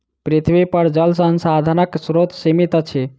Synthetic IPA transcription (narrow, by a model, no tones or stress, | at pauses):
pɾit̪ʰʋipəɾd͡ʒəlsənsad̪ʱənəksɾot̪simit̪ət͡ʃʰe